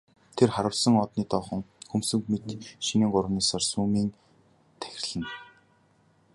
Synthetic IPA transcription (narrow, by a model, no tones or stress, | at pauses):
t̪ʰerχaɾə̆wsə̆ŋɔt̪niːt̪ɔːχɞ̆ŋxɵmsɵ̆ŋkmet̪ʃiniːŋɢʊɾwniːsarsuːmiːn | t̪ʰæ̥xʲɪ̆rɮɘ̆n